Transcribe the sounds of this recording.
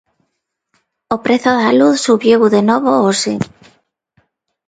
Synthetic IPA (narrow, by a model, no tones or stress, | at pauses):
opɾeθoðaluθsuβjewðenoβoose